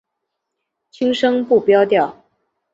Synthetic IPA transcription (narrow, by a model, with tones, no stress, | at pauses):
t͡ɕʰi˥ŋʂɤ˥ŋpu˥˩pjɑ˥ʊt̪jɑ˥˩ʊ